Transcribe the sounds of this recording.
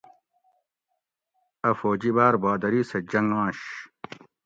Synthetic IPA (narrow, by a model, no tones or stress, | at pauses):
ɐfoːd͡ʑibaːɾbaːd̪ɐɾisɐd͡ʑɐŋãːɕ